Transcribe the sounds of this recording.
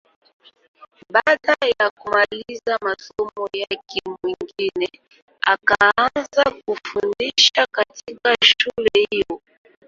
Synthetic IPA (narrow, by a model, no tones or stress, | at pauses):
ɓaɗajakumalizamasɔmɔjakʰɛmwiŋɡinɛ | akaanzakufundiʃakatikaʃulɛhijɔ